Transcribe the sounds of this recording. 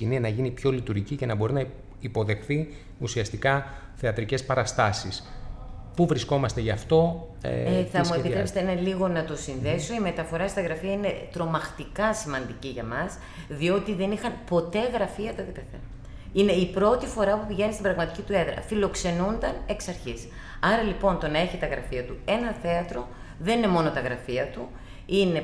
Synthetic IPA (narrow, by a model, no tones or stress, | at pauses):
ininɐʝinipço̞lit̪uɾʝicice̞nɐbo̞ɾinɐ | ipo̞ðe̞xθi | usiɐst̪ikɐ | θe̞ɐt̪ɾice̞spɐɾɐst̪ɐsis | puvɾisko̞mɐst̪eʝɐft̪o̞̰eθɐmuepit̪ɾeset̪eneliɣo̞nɐt̪o̞sinðe̞so̞ime̞t̪ɐfo̞ɾɐst̪ɐɣɾɐfiɐine̞t̪ɾo̞mɐxt̪ikɐsimɐnd̪iciʝɐmɐs | ðio̞t̪iðenixɐnpo̞t̪e̞ɣɾɐfiɐt̪oket̪eθḛ | ine̞ipɾo̞t̪ifo̞ɾɐpupiʝe̞nist̪ibɾɐɣmɐt̪icit̪ueðɾɐ̰filo̞kse̞nund̪ɐne̞ksɐɾçis | ɐɾɐlipo̞nt̪o̞nɐe̞çit̪ɐɣɾɐ̰fiɐt̪ue̞nɐθe̞ɐt̪ɾo̞ | ðe̞nine̞mo̞no̞t̪ɐɣɾɐfiɐt̪u | ine̞